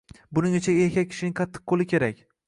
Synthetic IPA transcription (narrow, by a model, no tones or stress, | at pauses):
bʊnɪŋɪt͡ʃʰaeɾkʲʰakʲʰɪ̥ʃɪnɪŋqʰɑt̪ʰːɪ̥qqʰːolɪkʲʰe̞ɾak̚ʲ